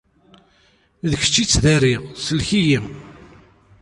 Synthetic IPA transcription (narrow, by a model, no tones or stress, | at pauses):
ðəçə̥t͡ʃːit͡sːðæɾisəlçijəm